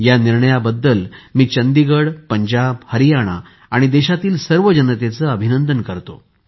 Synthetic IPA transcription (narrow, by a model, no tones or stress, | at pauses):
janiɾɳəjabəd̪ːəlmiːt͡ɕənd̪iɡəɽpəɲd͡ʑabhəɾijaɽ̃a̰ | aɽ̃id̪eɕat̪iːlsəɾʋəd͡ʑənət̪et͡səəbʱinənd̪ənkəɾt̪o̰